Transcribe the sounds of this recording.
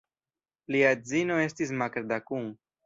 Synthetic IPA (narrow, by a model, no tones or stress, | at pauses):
liad͡zino̞e̞stis̬makɾd̪akuŋ